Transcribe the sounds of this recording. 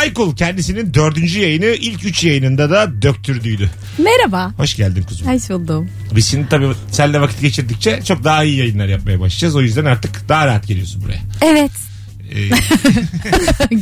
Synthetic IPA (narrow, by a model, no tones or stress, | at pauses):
ajkulˠcʰɛnd̪isinind̪ø̞ɾd̪ynd͡ʒyjajɯnɯʔilʲcyt͡ʃjajɯnɯnd̪ad̪ad̪øc̚t̪ʰyɾd̪yjd̪y | meɾabaho̞ʃɟælʲd̪imkʰuzasulˠd̪um | bizʃind̪it̪ʰabiːsænlʲɛvakʰit̪ɟe̞t͡ʃʰiɾd̪ic̚t͡ʃʰɛt͡ʃʰo̞k̚d̪aaijijajɯnlˠaɾjap̚majaba̰ʃlˠad͡ʒazo̞jyzd̪ænaɾt̪ʰɯkd̪aɦaɾaɦat̪ɟe̞lijo̞sunbuɾa̰jaɛvɛt̪ː